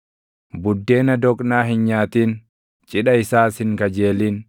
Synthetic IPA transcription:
bʊd̪ːe̞ːnɐd̪ɔkʼnaːɦɪnɲaːt̪iːn | t͡ʃʼɪɗɐɪsaːshɪŋkɐd͡ʒe̞ːliːn

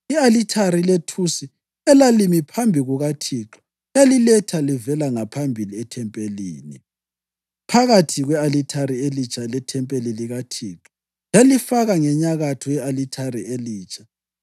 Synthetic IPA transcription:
ialitʰaɾiletʰusi | ɛlalimipʰambʱiɣuɣatʰiːǁḁ | jalilɛtʰalivɛlaŋapʰambʱiliɛtʰɛmpʼelḭːni | pʰaɣatʰiɣwɛalitʰaɾielit͡ʃʰʼalɛtʰɛmpʼeliliɣatʰiːǁɔ̥ | jalifaɣaŋɛɲaɣatʰɔjɛalitʰarieliːt͡ʃʰʼḁ

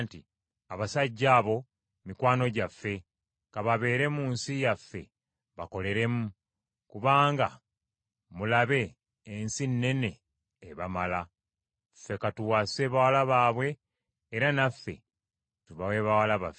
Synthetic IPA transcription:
nti | aβasaɟːaːβo̞ | mikwaːno̞ɟafːe̞ | kaβaβe̞ːɾe̞muːnsijafːe̞̰ | βako̞le̞ɾe̞mu | kuβaːŋɡa | mulaβe̞ː | nsinːe̞ne̞ː | βamala | fe̞katuwase̞βawalaβaːβwe̞ː | ɾanafːe̞̰ | tuβawe̞βawalaβa̰fe

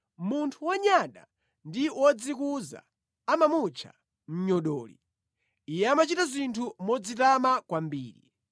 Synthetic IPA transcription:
muntʰuwɔɲaɗa | ndiwɔd͡zikuza̰ː | mamut͡ʃʰa̰ | m̩ɲɔɗɔːlḭ | ijɛamat͡ʃitazintʰumɔd͡zitamakwambiːɾḭ

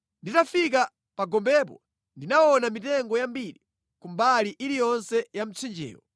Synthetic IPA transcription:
nditafik̬a | paɡɔmbɛp̬ɔ̰ | ndinaɔnamitɛŋɡɔjambiɾi | kumbaliʔilijɔnsɛjam̩t͡sʰind͡ʒɛ̰ːwɔ̰

